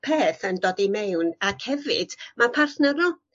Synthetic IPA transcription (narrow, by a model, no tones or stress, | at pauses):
pʰeːθəndoːdimɛwnakʰhɛvɨ̰d̥mapʰarθnərnʊ